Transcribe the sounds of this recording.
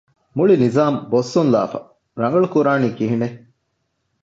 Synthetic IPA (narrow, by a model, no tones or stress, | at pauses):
muɭinizaːmbosːunla̰ːfɐ̰ | ɾɐŋɡɐɭukuɾaːniːkiɦine